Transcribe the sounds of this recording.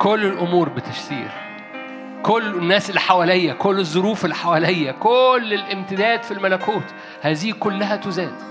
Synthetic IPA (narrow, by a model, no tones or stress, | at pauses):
kolːelʔʊmuːɾbɪt̪ɪʃsḭːɾ | kolːnːæːslːiħawælejːækolːezˤːoɾuːfelːħawælejːækolːelʔemt̪ɪd̪æːd̪filmælækuːt̪ | hæːziːkolːæhæt̪ʊzæːn